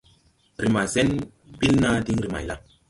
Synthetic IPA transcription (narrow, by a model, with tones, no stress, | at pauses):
ɾi˨ma˨ze˦n | bi˦lna˦di˦ŋɾi˨ma̰˨jla˦